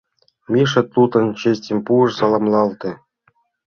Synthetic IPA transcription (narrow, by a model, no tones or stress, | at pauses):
mʲiʂɤ̆t̪ut̪ɤ̆nt͡ɕĕsʲtʲĕmʲpuɤ̆ʂsɑlˠɑmlˠɑlˠt̪ɤ̆